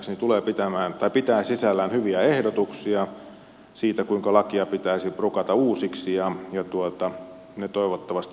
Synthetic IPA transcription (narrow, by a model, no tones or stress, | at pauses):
ksnit̪uleːpit̪æmæːnt̪ɑipit̪æːsisælːæːnhyʋiæehdot̪uksiɑ | siːt̪ækuiŋkɑlɑkiɑpit̪æisiprukɑt̪ɑuːsiksijɑjɑt̪uot̪ɑ | net̪oˑiʋot̪ːɑʋɑst̪